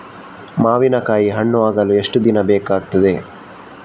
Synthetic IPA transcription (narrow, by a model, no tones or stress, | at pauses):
maːʋinɐkaːjiɦɐɳːuʋaːɡɐlueʂʈud̪inɐbɛːkaːɡ̚t̪ɐd̪e̞